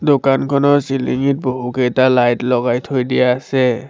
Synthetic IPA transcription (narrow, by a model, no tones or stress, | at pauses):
dokankʰɔnɔsilḭŋit̚boɦukɛjtalajtlɔɣajtʰojdijaːsɛ